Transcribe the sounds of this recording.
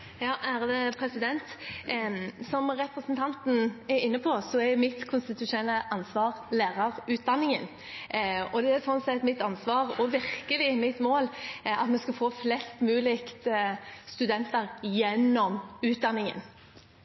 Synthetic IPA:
jɑːʔæɾd̪ɛpʰɾɛsɪd̪ɛnt̪ | sɔmɾɛpɾəsənt̪ʰɑnt̪n̩æɾɪnːəpʰɔsɔæɾjʊmɪt̪kʰʊnst̪ɪt̪ʉʂʊnɛlːəʔɑnsʋɑːɾleːɾɑɾʉːt̪̚d̪ɑnːɪŋən | ɔd̪ɛæɾsɔnsɛt̪mɪt̪ɑnsʋɑːʁɔʋɪɾkəlɪmɪt̪moːlɑt̪mɛskɑfoːflɛst̪mʉːlɪkt̪st̪ʉd̪ɛnt̪əɾjɛnːɔmʉːt̪̚d̪ɑnːɪŋə̰n

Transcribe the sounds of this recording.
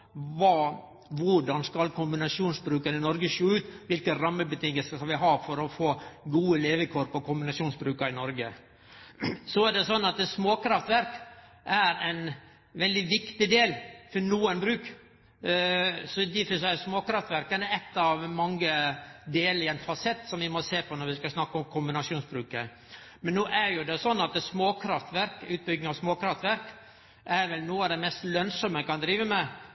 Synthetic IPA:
ʋɑ | ʋʊɖɑnskɑlkʰʊmbɪnɑʂjuːnsbɾʉːkɑnɪnɔɾɡəʂoːʉːt̪ʋɪlkəɾɑmːəbət̪ʰɪŋːəlsəskɑlʋɪɦɑːfɔɾɔfoːɡuːəleːʋəkʰuːɾpɔkʰʊmbɪnɑʂuːnsbɾʉːkɑɪnɔɾɡə | sɔæɖɛsɔnːɑt̪ɛsmoːkʰɾɑft̪ʋæɾk | ʔæɾɛɪn | ʋɛld̪ɪʋɪkt̪ɪd̪eːlfɔnuːənbɾʉːk | sɔd̪ɪfəsæɪsmoːkɾɑft̪ʋæɾkənəɛt̪ːɑʋmɑŋːəd̪eːlɪɛnfɑsɛt̪ːsɔmʋɪmɔseːpʰɔnɔɾʋɪskɑsnɑkːɔmkʰʊmbɪnɑsuːnsbɾʉːkə | mɛnːoːʔæɾjʊd̪ɛsɔnːɑt̪̚d̪ɛsmoːkʰɾɑft̪ʋæɾkʉːt̪̚bʏɡnɪŋɑʋsmoːkɾɑft̪ʋæɾk | ʔæɾʋɛlnuːɑd̪ɛmɛst̪lœnsɔməkɑnd̪ɾiːʋəmɛ

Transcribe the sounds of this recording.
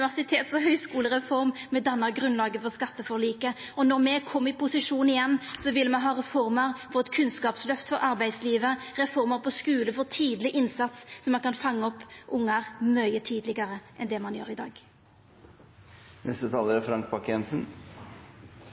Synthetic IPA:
ɪʋæʁsɪt̪ʰeːt̪sɔɦœʏskuːləɾɛfɔɾmmɛd̪ɑnːəʁɡɾʉnlɑːɡəfɔʁskɑt̪ːəfɔɭiːkə | ɔnɔɾmɛkʰɔmːɪpʊsɪʂuːnɪjɛnːsɔʋɪlːəmɛɦɑːɾɛfɔɾməɾfɔʁɛt̪kʰʉnskɑːpslœft̪fɔɾɑɾbæɪd̪sliːʋəʁɛfɔɾməɾpʰɔskʉːləfɔt̪ʰiːd̪lɪʔɪnsɑt̪ssɔmːɑnkɑnfɑŋːəɔpːʔʊŋːəʁmœʏət̪ʰiːd̪lɪɡəɾəʔɛnd̪ɛmɑnjøːɾɪd̪ɑ̰ːɡ | nɛst̪ət̪ʰɑːləɾəfɾɑŋk̚pɑkɛnsən

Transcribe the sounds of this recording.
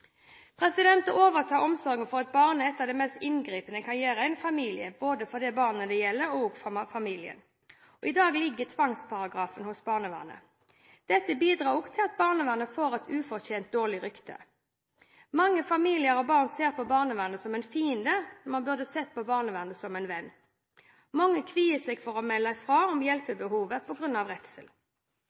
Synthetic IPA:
pʰʁɛsɪd̪ɛnt̪əoːʋəʁt̪ʰɑːɔmsɔʁɡənfɔʁɑt̪̚bɑːʁnəɛt̪ːɑːʋd̪ɛmɛst̪ɪnɡɾiːpənəkʰɑʁjæːɾəæɪnfɑmiːlɪəboːd̪əfɔʁd̪ɛbɑːʁnəd̪ɛjɛlːəɾɔɡfɑmiːlɪə̰n | ɔɪd̪ɑːɡlɪɡːət̪ʰʋɑŋspʰɑʁɑɡʁɑːfənhʊsbɑːʁnəʋæ̰ːʁnə̰ | d̪̥ɛt̪ːəbiːd̪ʁɑːʁɔɡt̪ʰɪlɑt̪̚bɑːʁnəʋæːʁnəfoːʁɛt̪ʉːfɔʁteːnt̪̚d̪oːʁlɪɾʏkt̪ʰə̰ | mɑŋːəfɑmiːlɪəɾɔbɑːʁnseːʁpʰɔbɑːʁnəʋæʁnəsɔmɛnfiːənd̪əmɑnbʉʁd̪əsɛt̪̚ːpɔbɑːʁnəʋæʁnəsɔmɛnʋɛnː | mɑŋːəkʰʋiːəsɛɡfɔʁɔmɛlːəfʁɑːɔmjɛlpəbəɦuːʋəpʰɔɡʁʉnːɑʋʁɛt̪səl

